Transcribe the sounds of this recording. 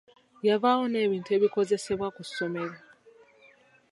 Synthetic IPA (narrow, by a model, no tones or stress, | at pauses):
javawone̞ːβiːntue̞βiko̞ze̞se̞βwakuso̞me̞ɾa